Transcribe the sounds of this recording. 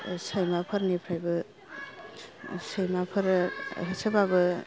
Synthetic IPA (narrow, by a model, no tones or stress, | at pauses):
sajmapʰɐɾnipʰɾajbɯ | səjmapʰɐɾɦesʰəbabɯ